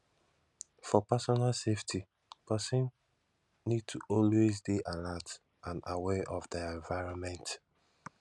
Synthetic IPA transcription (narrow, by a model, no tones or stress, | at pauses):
fɔpasɔnalseftʰi | pasĩn | nid̚tʰuʔɔlwezdeʔalat | ãnawɛʔɔvdɛɛ̃ɱvaɪɹɔ̃nmɛ̃nt